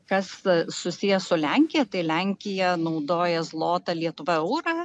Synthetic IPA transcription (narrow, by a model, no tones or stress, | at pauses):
kɐssʊsʲijɛsʊlʲæŋʲkʲɪjɛt̪ɐɪlʲæŋʲkʲɪjɛnɐʊd̪oːjɛzlˠoːt̪ɐlʲiɛt̪ʊʋɐɛʊɾɑː